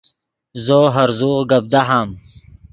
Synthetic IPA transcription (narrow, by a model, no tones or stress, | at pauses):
zoːɦɐɾzuːʁɡɐb̚d̪aɦaːm